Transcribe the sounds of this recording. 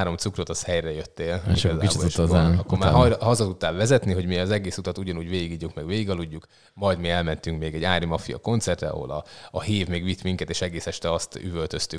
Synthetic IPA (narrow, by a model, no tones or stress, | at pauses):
ɾo̞mt̪sukrot̪ɒshɛjrɛjøt̪ːeːliɒzaːboeʃaɒkːomaːjɦɒzɒt̪ut̪ːaːlvɛzɛt̪niɦo̞ɟmiɒzɛɡeːsut̪ɒt̪uɟɒnuːɟʋeːiɡiɟːukmɛɡʋeːɡiɡɒluɟːuk | mɒjd̪miɛlmɛnt̪yŋkmeːɡɛɟːaːɾimɒfijɒ̰ko̞nt̪sɛrt̪rɛ̰ɒ̰ɦo̞̰lɒːɦeːvmeːɡʋit̪miŋkɛt̪eːʃɛɡeːsɛʃt̪ɛɒst̪yvø̞lt̪ø̞st̪y